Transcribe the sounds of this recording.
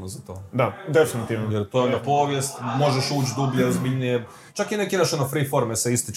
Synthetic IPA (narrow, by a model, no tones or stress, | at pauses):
nozat̪oːd̪ad̪efinit̪iʋnojeɾt̪ojeonnapo̞ːʋjest̪mo̞ʒeʃuːt͡ʃd̪ubʎeozbiʎʲnije | t͡ʃakinekeimaʃonofɾifo̞ɾmeseist̪it͡ʃ